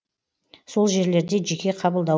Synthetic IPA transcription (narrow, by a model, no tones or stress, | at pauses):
so̞lˠʒe̞ɾle̞ɾd̪e̞ʒe̞kʲe̞qʰɑbəlˠd̪ɑ